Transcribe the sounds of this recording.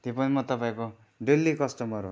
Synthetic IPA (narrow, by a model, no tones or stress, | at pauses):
t̪epʌnimʌt̪ʌpaĩko | ɖelːikʌsʈʌmʌɾɦo̰